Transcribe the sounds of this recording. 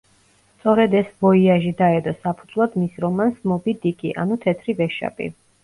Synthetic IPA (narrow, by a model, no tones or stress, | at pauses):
st̪sʼɔɾɛd̪ɛsbɔiaʒid̪aɛd̪ɔsapʰud̪zvlˠad̪misɾɔmansmɔbid̪ikʼiʔa̰nut̪ʰɛt̪ʰɾivɛʃa̰bʼḭ